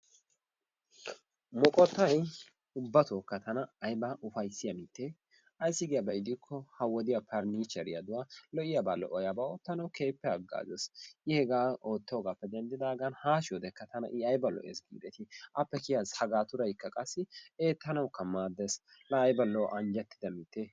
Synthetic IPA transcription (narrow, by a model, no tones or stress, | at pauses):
mɔkʼɔt̪ːɐj | ʊbːɐt̪oːkːɐt̪ɐnɐːjbɐʊfɐjsːɪjɐmit̪ːe | ɐjsːɪɡɪjɐbɐɪd̪ɪkʰːɔhɐwɔd̪ɪjapʰɐɾniːt͡ʃɐɾɪjɐd̪ʊwalɔʔɪjabaːlɔ̰ʔɔjabaoːt̪ːɐnɐwke̞ːpːɛɐɡːa̰ːzɛsɪhɛɡaːoːt̪ːɛɔɡaːpːɛd̪ɛnd̪ɪd̪aːɡɐnhaːʃɔd̪ɛkːɐt̪ɐnɐ̰ʔɪɐjbɐlɔ̰ʔɛ̰sɡḭːd̪ɛt̪ɪʔɐpːɛkɪjazhɐɡaːt̪ʊɾɐjkːɐkʼɐsːɪeːt̪ːɐnɐwkːɐmaːd̪ɛs | lɐːjbɐlɔːʔɐnd͡ʒɛt̪ːɪ̥d̪ɐmɪt̪ːe